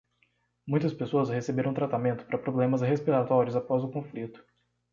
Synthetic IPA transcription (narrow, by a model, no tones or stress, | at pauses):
mũj̃t̪ɐspesoɐshesebeɾɐ̃t̪ɾat̪amẽnt̪ʊ̥paɾɐpɾoblẽmɐsɦespiɾat̪ɔɾiʊzapɔzʊkõflit̪ʊ̥